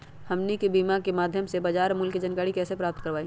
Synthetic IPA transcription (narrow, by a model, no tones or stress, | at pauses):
hɐmnikebiːmakemaːd̪ʱjəmsebad͡ʒaːɾmʊlkid͡ʒɐnkaːɽikɛːsepɾaːp̚t̪̚kəɾʋaːĩ